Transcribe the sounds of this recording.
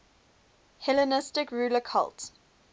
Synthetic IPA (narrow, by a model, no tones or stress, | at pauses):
hɛlənɪstɪkɹuːləkʰa̰lt